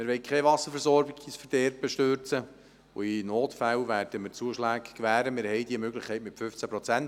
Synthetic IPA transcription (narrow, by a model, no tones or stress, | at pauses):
mɪɾʋɛɪkʰɛʋɑsəɾfɛɾsɔːɾbɪɡsfəɾd̥ɛɾbəʃtøɾt͡sə | o̰inoːtfæwvæːrd̥əmɪt͡suəʃlæːkkʋæːɾəmɪɾhɛjdiəmøɡlɪχkʰːɛɪtmɪtfʏft͡sæpɾɔt͡sænt